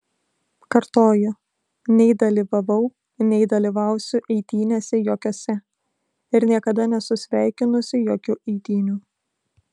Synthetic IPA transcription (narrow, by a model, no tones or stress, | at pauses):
kɐɾt̪oːjʊ | nʲɛɪd̪ɐlʲiʋɐʋɐʊ | nʲɛɪd̪ɐlʲiʋɐʊsʲʊʔɛɪt̪ʲiːnʲesʲɛjoːkʲoːsʲɛ | ɪɾnʲiɛkɐd̪ɐnʲɛsʊsʲʋʲæˑɪkʲɪnʊsʲɪjoːkʲuʔɛɪt̪ʲiːnʲu